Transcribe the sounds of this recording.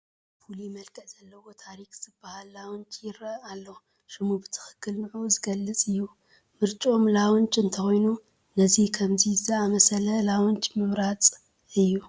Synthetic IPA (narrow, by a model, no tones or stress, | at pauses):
fulimɐlkʼɐʔz̥ɐlːɐwo̞t̪ʰaɾikz̥ɨbahalːawʊnt͡ʃʼjɪɾɐalːo | ʃɨmubɨt̪ʰɨ̥xɨ̥kʰːɨlnɨʕuzɨɡɐlːɨt͡sʼɨjːu | mɨɾt͡ʃʼo̞mlawʊnt͡ʃʼɨnt̪ʰɐxojnu | nɐzikʰɐmzizaʔamɐsɐlɐlawʊnt͡ʃʼmɨmɾat͡sʼ | ɨjːu